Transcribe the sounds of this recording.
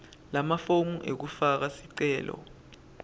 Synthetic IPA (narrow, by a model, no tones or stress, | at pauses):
lamafomuʔek̬ufak̬asiǀɛːlɔ̰